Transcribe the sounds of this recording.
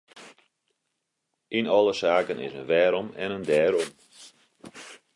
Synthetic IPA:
inɔlˠəsaːkənɪ̰sənʋɛːɾɔmɛ̰nəndɛːɾɔm

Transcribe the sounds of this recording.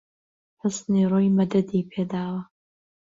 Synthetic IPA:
ħɨsnirojmɐd̪ɐd̪ipʰeːd̪aːwɐ

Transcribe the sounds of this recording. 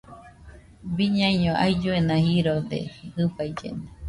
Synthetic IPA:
biɲãjɲõʔa̰jd͡ʒuenãhiɾod̪ḛhɨbajd͡ʒḛna

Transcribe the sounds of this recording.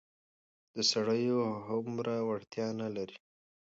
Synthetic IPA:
d̪̥əsaɽəjoɦʊmɾawaɽt̪jɑnalaɾi

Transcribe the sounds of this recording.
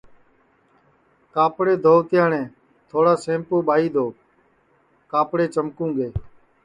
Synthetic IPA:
kaːpɽeːd̪ʱoːt̪ɪjãːnẽː | t̪ʰoːɽaːsẽːmpoːɓaːiːd̪ʱoː | kaːpɽeːt͡ʃəmkũːɡeː

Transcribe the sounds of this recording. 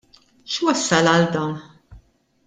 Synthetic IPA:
ʃwɐsːɐlɐld̪ɐːn

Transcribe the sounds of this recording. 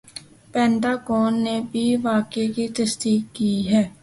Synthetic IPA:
pɛ̃ːɳʈaːɡoːnːebʱiʋaːkekit̪ɐsd̪iːkːiːɦɛː

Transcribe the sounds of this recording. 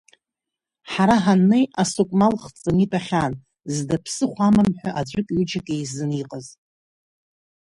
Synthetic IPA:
ħaɾaɦanːejasukʷʼmalχt͡sʼɨnipʼaχʲan | zdapʰsɨχʷamamħʷᶣaʔad͡ʒʷʼʊkʼɥud͡ʒakʼejzɨniqʼəz

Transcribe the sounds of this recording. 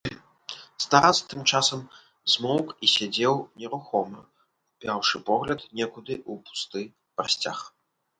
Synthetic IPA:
st̪aɾat̪st̪ɨmt͡ʂasɐm | zmɔwkisʲad͡zʲɛwnʲɛɾuxɔmɐ | pʲawʂɨpɔɣlʲɐt̪nʲɛkud̪ɨʔupu̥st̪ɨ | pɾasʲt͡sʲa̰x

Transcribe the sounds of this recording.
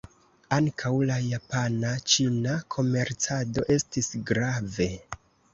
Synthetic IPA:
aŋkʰawlajapanat͡ʃinakʰo̞me̞ɾt͡sado̞ʔe̞stisɡɾave̞

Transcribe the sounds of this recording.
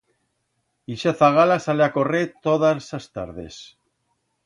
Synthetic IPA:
iʃaθaɣalasaleako̞ret̪oðasast̪a̰ɾðe̞̰s

